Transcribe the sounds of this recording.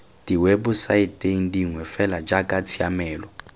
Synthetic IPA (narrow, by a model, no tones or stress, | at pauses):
d̥iwebʊsaitʼeŋ̩diŋwɛfɛlad͡ʒakʼat͡sʰiamɛːlɔ